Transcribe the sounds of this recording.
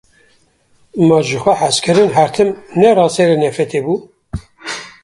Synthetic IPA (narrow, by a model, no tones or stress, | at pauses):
mɑʒɨxʷɛħaskʰɨɾɨnɦæɾt̪ʰɨmnɛrɑːseɾenɛfɛt̪ʰebu